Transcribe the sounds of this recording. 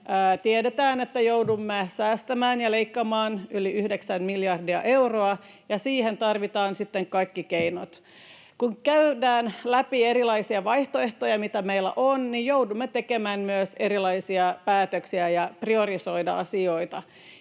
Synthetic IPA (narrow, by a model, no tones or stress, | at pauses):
ʔət̪iedet̪æːnet̪ːæjoudumːesæːst̪æmæːnjɑleikːɑmɑːnyliyhdeksænmiljɑrdiɑ̰ʔewroɑ | jɑsiːhent̪ɑrʋit̪ɑːnsit̪ːeŋkɑikːikeinot̪ | kuŋkæydæːnlæpieɾilɑisiɑʋɑiht̪oeht̪ojɑmit̪æmeilːæ̰ʔonːijjowdumːet̪ekemæːnmyøseɾilɑisiɑpæːt̪øksiæjɑpriorisoidɑɑsioit̪ɑ